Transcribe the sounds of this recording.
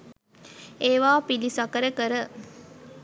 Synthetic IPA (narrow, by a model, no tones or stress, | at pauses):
eːʋaːpilisakəɾəkəɾə